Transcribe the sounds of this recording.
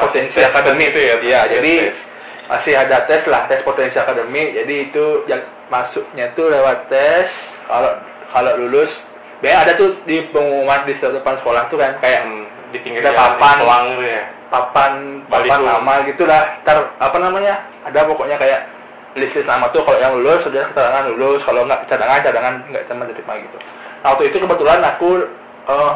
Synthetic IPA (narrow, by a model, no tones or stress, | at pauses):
pot̪ɛnsiakadəmiktjad͡ʒadi | ma̰sɪɦadat̪ɛslaht̪ɛspot̪ɛnsiakadəmɪk̚d͡ʒadiːt̪ujaŋ | masʊk̚ɲat̪ulewat̪ːɛs | kalo | kalolulʊs | baɲaadat̪udipəŋumatdist̪ədəpansə̥kolaht̪ukankajaʔ | diiŋɡt̪apapanaŋjapapanpapanamaɡit̪ulaht̪arapanamaɲaː | dapɔkoʔɲakajaʔ | lisɪsnamat̪ukaloʔjaŋlulʊskəd͡ʒakət͡ʃadaŋanlulʊskaloŋɡaʔt͡ʃadaŋant͡ʃadaŋanŋɡa̰ʔt͡ʃamad̪ədɪp̚maɡit̪u | nawakt̪uit̪ukəbət̪ulanaku | ə